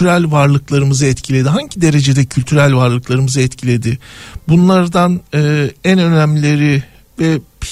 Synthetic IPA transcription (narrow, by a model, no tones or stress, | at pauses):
yɾælʲvaɾlˠɯklˠaɾɯmɯzɯɛt̪cʰilʲe̞d̪iɦaɲɟid̪e̞ɾe̞d͡ʒe̞d̪ɛcʰylʲt̪ʰyɾælʲvaɾlˠɯklˠaɾɯmɯzɯɛt̪cʰilʲe̞d̪ɪbunlˠaɾd̪anɯːænø̞næmlʲe̞ɾɪ | vɛpʰ